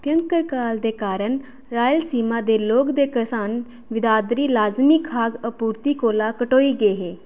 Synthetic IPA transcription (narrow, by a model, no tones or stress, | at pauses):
pjəŋkəɾkaːld̪eːkaːɾəɳ | ɾaːjəlsiːmaːd̪eːloːkd̪eːkəsaːn | ʋɪd̪aːd̪ɾiːlaːzmiːkʰːaːɡəpuːɾt̪iːkoːlaːkəʈoːiːɡəeːɦeː